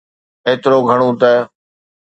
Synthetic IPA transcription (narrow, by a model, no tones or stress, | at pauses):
eːt̪ɪɾoːɡʱəɽ̃õːt̪ɛ